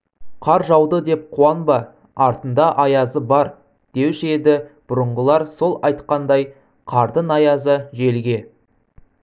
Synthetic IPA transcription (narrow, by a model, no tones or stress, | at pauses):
qʰɑɾʒɑwd̪əd̪e̞p̚qʰuɑnbɑ | ɑɾt̪ənd̪ɑʔɑjɑzəbɑɾ | d̪̥e̞wʒed̪ɪb̥ʊɾəɴʁəlˠɑɾso̞lˠɑjt̪qɑnd̪ɑj | qʰɑɾd̪ənɑjɑzəʒe̞lɡʲe̞